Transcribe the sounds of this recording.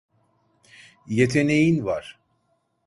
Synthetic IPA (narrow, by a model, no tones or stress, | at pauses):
jet̪ʰe̞ne̞jinvaɾ̥